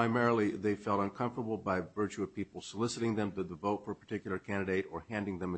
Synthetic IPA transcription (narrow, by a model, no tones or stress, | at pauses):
ãɪmɛɹl̩ˠiðeɪfɛlˠtʌ̃nkʰʌ̃ɱftə˞bl̩ˠbaɪvɜ˞t͡ʃʉʌv̥pʰipl̩ˠsəlɪsɨɾɪ̃ŋðɨ̃mdɨðəvoʊtfə˞əpʰə˞tʰɪkjl̩ˠə˞kʰæ̃ndɨɾeɪɾə˞hæ̃ndɪ̃ŋðɨ̃mɨ